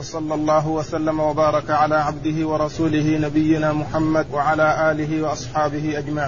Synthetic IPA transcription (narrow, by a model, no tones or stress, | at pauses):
wɑsˤɑlːɑlˤːɑːɦʊwasalːamawabɑːɾˤɑkaʕalaːʕabd̪ɪɦɪwɑɾˤɑsuːlɪɦɪnabɪjːɪnaːmʊħamːad̪waʕalaːʔaːlɪɦɪwɑʔɑsˤħɑːbɪhɪʔad͡ʒmaʕiː